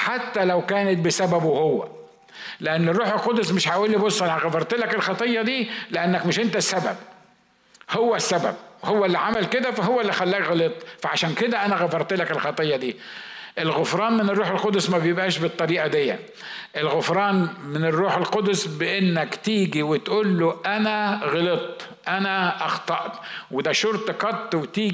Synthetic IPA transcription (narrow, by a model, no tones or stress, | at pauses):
ħat̪ːælæwkæːnɪt̪̚bɪsæbæbwhowːæ̰ | lɪʔanːɪrːuːħelqod̪ʊsmɪʃħaʔuːlːibosˤːʔænææɣæfɑɾˤt̪elækɪlxɑt̪ˤɨjːɑd̪iːlɪʔanːækmɪʃʔɪnt̪æsːæbæ̰b | howːæsːæbæ̰b̚howːælːiʕamælkɪd̪æfæɦowːæʔlːixælːæɣlet̪ˤfaʕaʃæːnkɪd̪æʔænæɣæfɑɾˤt̪ɪlækɪlxɑt̪ˤɨjːɑd̪iː | ʔelɣʊfɾˤɑːnmɪnerˤːuːħelqod̪smæbjebʔæːʃbɨt̪ˤːɑɾiːʔɑd̪ejːæ̰ | ʔelɣʊfɾˤɑːnmɪnerːuːħelqod̪sbeʔenːækt̪iːɡiwɪt̪ʔuːlːoʔænæɣɑlet̪ˤ | ʔænæʔɑxt̪ˤɑʔt̪wɪd̪æʃoɾt̪qɑt̪ˤːwet̪iː